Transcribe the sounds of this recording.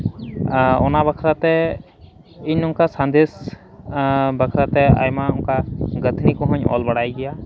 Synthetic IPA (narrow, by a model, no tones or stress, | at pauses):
ɔ̰nabəkʰɾat̪ɛ | iɲʊŋkasãnd̪es | bəkʰɾat̪ɛa̰jmaʊnkaɡət̪ʰnikɔɦɔ̃ɲɔ̰lbaɽajɡɛja